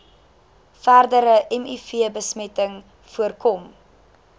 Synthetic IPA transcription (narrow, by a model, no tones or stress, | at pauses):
færdəɾəʔɛmifiəbəsmɛtəŋ | fuərkɔm